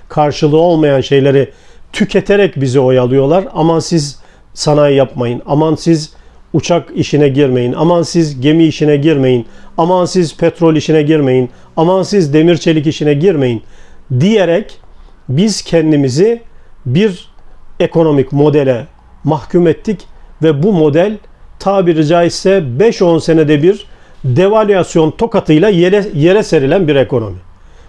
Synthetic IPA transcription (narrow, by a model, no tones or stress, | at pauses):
kʰaɾʃɯlˠɯo̞lˠmajanʃe̞jlʲe̞ɾi | t̪ʰycʰet̪ʰeɾɛcbizio̞jalˠɯjo̞lˠaɾamasiz | sanajjapmajɯna̰mansiz | ut͡ʃʰakiʃinɛɟiɾme̞jina̰mansizɟe̞miːʃinɛɟiɾme̞jinamansizpʰɛt̪ɾo̞lʲiʃinɛɟiɾme̞jin | amansizd̪e̞miɾt͡ʃʰe̞lʲic̬iʃinɛɟiɾme̞jind̪ijeɾɛcbiz̥cʰɛnd̪imizibiɾekʰo̞no̞micmo̞d̪elʲɛ | maxcʰumɛt̪ʰːicvɛbumo̞d̪ælʲ | t̪ʰaːbiɾid͡ʒaːisɛbɛʃo̞nse̞ned̪ɛbiɾd̪evalʲyjasjo̞nt̪ʰo̞kat̪ʰɯjlˠaje̞ɾɛse̞ɾilʲænbiɾekʰo̞no̞̰mi